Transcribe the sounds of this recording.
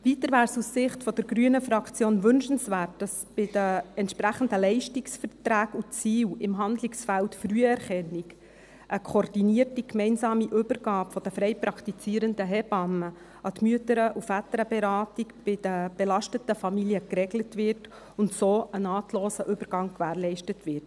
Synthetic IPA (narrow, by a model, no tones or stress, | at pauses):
ʋitəɾʋæːɾsussɪχtfɔd̥əɾɡɾyənəfɾɑkʰt͡sjoːnʋʏnʃən̩svæːt̚d̥ɑs | b̥ɪdəɛntʃpɾæχəndəlɛɪʃtiksfəɾtɾæːkut͡siːwɪmɦɑndlɪksfæltfryəɛɾχɛnːik | ʔəkʰordiniərtikmɛɪnsɑːmiʔʏbəɾɡ̥ɑːpfɔd̥əfɾɛɪpɾɑkʰt̪it͡siːɾəndəɦɛb̥ɑmə | ɑt̪myətəɾəʔufætəɾəbɛɾɑːtikb̥ɪd̥əb̥ɛlɑʃtətəfɑmilijəkrɛɡlətʋɪrt | ʊntsoːənɑːtloːsəʔʏbəɾɡɑŋkʋæːɾlɛɪʃtətʋɪrt